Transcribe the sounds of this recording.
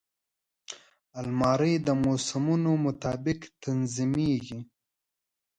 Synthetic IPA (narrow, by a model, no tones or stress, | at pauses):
almɑːɾəjd̪əmosɪmunomʊt̪ɑːbɪkt̪anzimeɡi